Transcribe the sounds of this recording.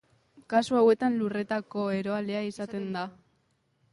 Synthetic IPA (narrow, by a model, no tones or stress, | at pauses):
kasuawe̞t̪anlure̞t̪ako̞e̞ɾo̞aleaisat̪e̞nd̪a